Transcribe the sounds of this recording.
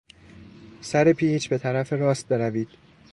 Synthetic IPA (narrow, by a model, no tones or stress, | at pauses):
sæɾe̞pʰiːt͡ʃʰbe̞t̪ʰæɾæfeɾɒːst̪̚be̞ɾæviːd̪̥